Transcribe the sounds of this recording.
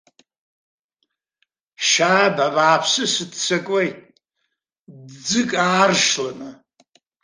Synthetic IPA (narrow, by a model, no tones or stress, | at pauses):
ʃaːbabaːpʰsɨsɨdt͡sʷʰakʼejtʼ | dd͡zɨkʼaːrʂlana